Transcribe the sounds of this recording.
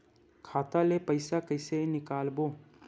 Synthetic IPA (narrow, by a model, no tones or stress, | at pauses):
kʰaːt̪alepəɪsakɐɪsenɪkaːlboː